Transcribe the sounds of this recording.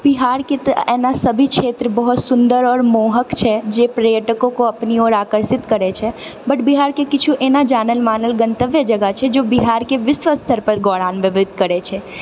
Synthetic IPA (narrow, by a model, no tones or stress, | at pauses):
biɦaːɾket̪ɛːnasɐbʱikʃʰeːt̪ɾəbɔɦʊt̪sʊ̃nd̪əɾɔːɾmoːɦəkt͡ʃʰɛd͡ʒeːpɾɐjəʈəkõkoɐpnioːɾaːkəɾsɪt̪kəɾet͡ʃʰɛ | bɐʈbiɦaːɾkekɪt͡ʃʰuʔeːnad͡ʒaːnəlmaːnəlɡə̃nt̪əʋjəd͡ʒɐɡət͡ʃʰɛd͡ʒoːbiɦaːɾkeʋɪsʋəst̪ʰəɾpɐɾɡɔːɽaːnʋɪʋɪd̪̚ʱkɐɾet͡ʃʰɛː